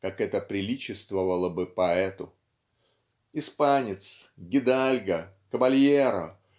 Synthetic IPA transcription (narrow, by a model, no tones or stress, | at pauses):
kakɛt̪əpɾʲɪlʲit͡ɕɪst̪vəvəlˠəbɨpɐɛt̪ʊ | ɪspanʲɪt̪sɡʲɪd̪alʲɡə | kəvɐlʲjeɾə̰